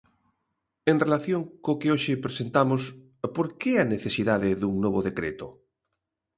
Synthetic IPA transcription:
eŋrelaθjoŋkokeoʃɪpɾesent̪amʊs | poɾkeɛɐneθesiðaðɪðuŋnoβoðekɾḛt̪o

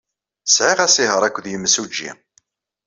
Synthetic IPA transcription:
sʕiʁæsiɦəɾˤækʷːðjəmsud͡ʒːḭ

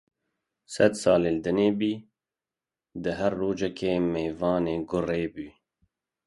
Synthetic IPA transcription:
sɛd̪sɑːleːld̪ɨneːbiː | d̪ɨɦærːoːd͡ʒɛkʰeːmeːvɑːneːɡʊreːbyː

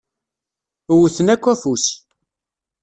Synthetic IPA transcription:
wuθənækʷːæfus

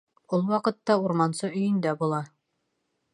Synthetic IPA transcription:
ulˠwɑqɤ̆t̪ːɑuɾmɑnsɤɵ̆jɘ̆nd̪æbulˠɑ

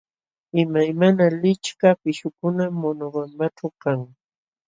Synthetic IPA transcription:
ɪmajmanalɪt͡ʃkapɪʃʊkʊnamːonoɢampaʈ͡ʂawkaŋ

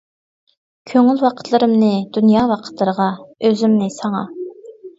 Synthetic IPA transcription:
kʲʰøŋylwɑqʰə̥t̪ʰlˠɨɾɨmnɨd̪unjɑːwɑqʰə̥t̪ʰlˠəɾəʁɑøzymnɪsɑŋɑ

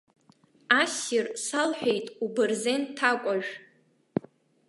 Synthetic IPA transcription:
asɪrsalħʷᶣejtʼubɨrzentʰːakʷʼaʒᶣ

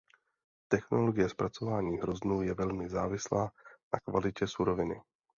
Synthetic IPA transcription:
t̪ɛxno̞lo̞ɡɪjɛspɾʔat͡so̞vaːɲiːɦɾo̞znuːjɛvɛlmɪzaːvɪslaːna̰kvalɪcɛsuɾo̞vɪnɪ̰

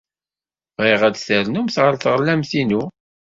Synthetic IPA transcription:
iʁæt͡sθəɾnumθʁəɾθʁəlːæmθinu

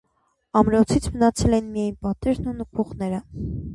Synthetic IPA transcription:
ɑmɾɔt͡sʰit͡sʰmənɑt͡sʰɛlɛnmijɑjnpɑt̪ɛɾnunəkʰuʁnɛɾə

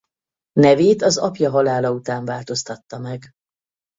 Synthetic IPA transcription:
nɛveːt̪ɒzɒpjɒɦɒlaːlɒut̪aːɱvaːlt̪o̞st̪ɒt̪ːɒmɛɡ

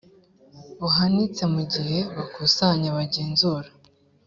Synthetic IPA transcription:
βuɦanit͡se̞muɟihe̞βakusaɲaβaɟeːnzuːɾa

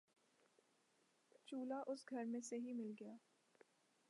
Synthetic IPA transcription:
t͡ʃuːlaʔʊsɡʱɐɾmẽseɦimɪlɡɐjaː

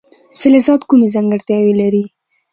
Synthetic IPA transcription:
fɪlɪzɑd̪kumezaŋɡəɽt̪jɑwelaɾi

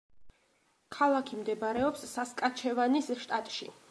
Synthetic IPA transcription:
kʰalˠakʰimd̪ɛbɾɛɔpsːaskʼat͡ʃʰɛvanisʃt̪ʼat̪ʼʃi

